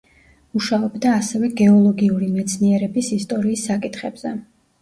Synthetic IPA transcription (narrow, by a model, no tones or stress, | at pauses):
uʃaɔbd̪aːsɛvɛɡɛɔlˠɔɡiuɾimɛt̪sʰniɛɾɛbisist̪ʼɔɾiːsːakʼit̪ʰχɛbz̥ɛ